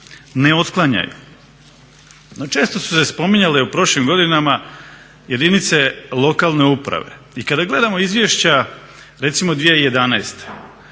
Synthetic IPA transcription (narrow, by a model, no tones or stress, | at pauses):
neo̞t̪klˠaɲa̰jṵ | not͡ʃe̞ːst̪o̞su̥se̞spo̞miɲaleupɾo̞ʃlimɡo̞d̪inama | je̞d̪init̪se̞lˠo̞kalˠne̞upɾa̰ʋe̞̰ | ikad̪aɡle̞d̪amo̞izʋʲjeʃt͡ɕa | ɾe̞t̪simod̪ʋijeije̞d̪anaest̪e̥